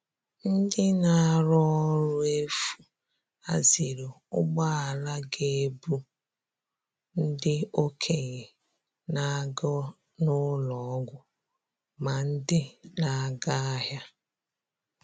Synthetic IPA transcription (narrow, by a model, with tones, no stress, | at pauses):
n̩˦dɪ˦na˨a˨ɾɔ˦ɔ˦ɾʊ˦e˦fu˨ | a˦zi˨ɾo˨ | ʊ˦ɡ͡ba˦a˨la˦ɡe˦˨˦bu˦ | n̩˦dɪ˦o˦kʰe˨ɣe˨ | na˦ɡɔ˦ | nʊ˦lɔ˨˦ɡʷʊ˦ | ma˨n̩˦dɪ˦na˨ɡa˦a˦ɦja˦